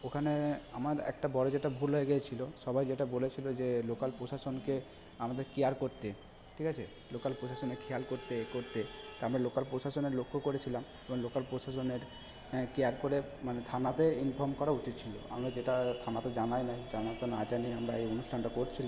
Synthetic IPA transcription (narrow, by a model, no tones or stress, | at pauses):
okʰaneamaɾɛ̰k̚ʈabɔɽed͡ʒeʈabʱuɾɦoeɡɛt͡ɕʰiloʃɔbʱajd͡ʑeʈabolet͡ɕʰilod͡ʒelokalpɾosasonke | amad̪eɾkeaɾkoɾt̪e | ʈʰikat͡ɕʰe | lokalpɾosasɔnekʰealkoɾt̪ekoɾt̪et̪aamɾalokalpɾosasɔneɾlokʰːokoɾet͡ɕʰilam | ebɔŋlokalpɾosasɔneɾ | kejaɾkoɾe | manet̪ʰanat̪einfʰɔɾmkɔɾaut͡ʃit̪̚t͡ɕʰilo̰a̰mɾad͡ʒeʈat̪ʰanat̪ed͡ʒanajnajd͡ʒanat̪ɔnad͡ʒaniamɾaejonusʈʰanʈakoɾt͡ɕʰila